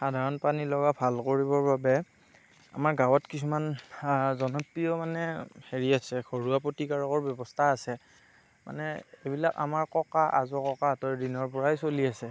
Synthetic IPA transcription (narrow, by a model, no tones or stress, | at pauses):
xadʱaɹɔnpanilɔɡabʱalkoɹibɔɹbabɛ | a̰maɹɡawɔtkisumanzɔnɔpɹiɔmanɛheɹiasɛɡʱoɹuapotikaɹɔkɔɹbjɔbɔstʰaːsɛ | mʔa̰nɛebilaka̰maɹkɔkaʔa̰zɔkɔkatɔjdinɔɹpɔɹajsoliasɛ